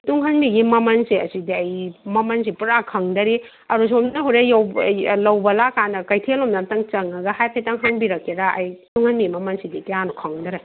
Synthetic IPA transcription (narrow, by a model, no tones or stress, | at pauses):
tuŋhɐnbiɡimɐmɐnsiɐsidiɐjmɐmɐnsipuɾakʰɐŋdɐɾi | ɐɾus̬omnɐɦoɾejawlɐwbɐlakanɐkɐjtʰelomnatɐŋt͡ʃɐŋɐɡɐhajpʰejtaŋɦanbiɾɐkːeɾaɐ̰jtuŋhɐnbiɡimɐmɐnsidikejanukʰɐŋdɐɾa